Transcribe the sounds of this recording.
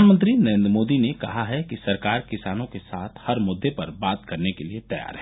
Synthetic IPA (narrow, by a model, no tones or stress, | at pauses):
anmə̃nt̪̬ɾinɐɾẽːnd̪ɾmoːd̪inekɐ̰ɦaɦɛkisɐɾkaːɾkɪsaːnõkesaːt̪ʰhɐɾmʊd̪ːepɐɾbaːt̪kɐɾnekeliet̪ɐja̰ːɾɦɛː